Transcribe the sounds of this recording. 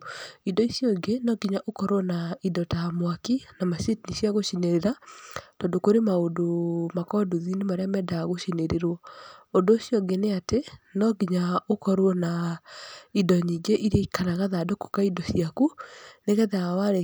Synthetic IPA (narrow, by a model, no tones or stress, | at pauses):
idɔisjɔŋɡenɔɡiɲaʔokɔɾwɔnaidɔtamwakinamasetinisiaɣoʃineɾeɾatɔndokoɾemaodomakɔduðinemaɾeamɛdaɣoʃineɾeɾwɔondoːsijɔɡeneatenɔɡiɲaokɔɾwɔna | idɔɲiɡeʔiɾikanaɣaðadoko̥kaidɔsiakuneɣɛðaawaɾe